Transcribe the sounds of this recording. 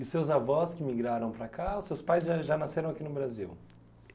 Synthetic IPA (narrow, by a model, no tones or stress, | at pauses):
ʊsewzavɔskɪmiɡɾaɾɐ̃w̃pɾakaʊsːewspajzʒaʒanaseɾɐ̃akinʊbɾazḭw